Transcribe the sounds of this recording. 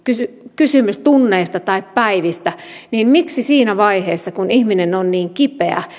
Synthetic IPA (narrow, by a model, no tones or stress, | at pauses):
kysykysymyst̪unːeːst̪ɑt̪ɑippæiʋist̪æniːnmiksisiːnæʋɑiheːsːɑkunihminenonniːŋkipeæ̰